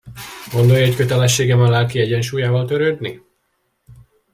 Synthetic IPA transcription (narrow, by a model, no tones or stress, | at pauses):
ɡo̞nd̪o̞jːckøt̪ɛlɛʃːeːɡɛmɒlɛlkiɛɟɛnʃuːjaːvɒlt̪øɾøːd̪ni